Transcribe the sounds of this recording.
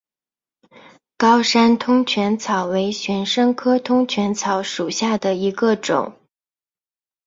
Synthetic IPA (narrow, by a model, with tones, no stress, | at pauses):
kɑ˥ʊʂa˥nt̪ʰʊ˥ŋt͡ɕʰɥɛ˧˥nt͡sʰɑ˨˩ʊwe˧˥ɪɕɥɛ˧˥nʂɤ˥ŋkʰɤ˥t̪ʰʊ˥ŋt͡ɕʰɥɛ˧˥nt͡sʰɑ˨˩˥ʊʂu˨˩ɕja˥˩d̪ə˩i˧˥ɡə˧ʈ͡ʂʊ̰˨˩˦ŋ